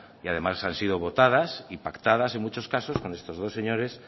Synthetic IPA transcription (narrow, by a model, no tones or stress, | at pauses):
iað̞e̞masansið̞o̞β̞o̞t̪að̞asipakt̪að̞ase̞ŋmut͡ʃo̞skaso̞sko̞nest̪o̞zð̞o̞se̞ɲo̞ɾe̞s